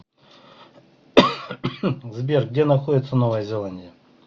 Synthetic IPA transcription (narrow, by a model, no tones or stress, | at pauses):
zbʲerɡ̚dʲenɐxodʲɪt̪sənovəjəzʲɪlˠanʲdʲɪjə